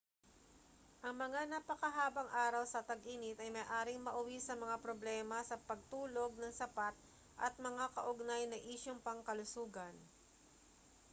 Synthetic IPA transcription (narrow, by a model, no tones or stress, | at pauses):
ʔɐŋmɐŋanapɐkɐɦaːbɐŋʔaːɾɐwsɐt̪ɐɡʔiːnɪt̪ɐjmɐjʔaːɾɪŋmɐʔʊwisɐmɐŋapɾoblɛːmɐsɐpɐɡ̚t̪uːlo̞ɡ̚nɐŋsɐpat̪̚ | ʔɐt̪̚mɐŋakɐʔʊɡnajnɐʔiːʃoŋpɐŋkɐlʊsuːɡɐn